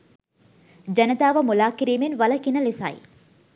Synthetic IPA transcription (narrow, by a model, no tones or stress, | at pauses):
d͡ʒɐnət̪aːʋəmulaːkiɾiːmenʋɐləkinəlesa̰j